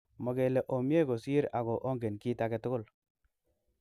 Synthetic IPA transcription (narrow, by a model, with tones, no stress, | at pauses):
mɔ˨ke˨le˨ʔo˨mje˦ko˨si˦ɾa˨ɡo˨ʔo˦ŋɡe˨nki˦ta˦ke˨tʊ˦ɡʊ˦l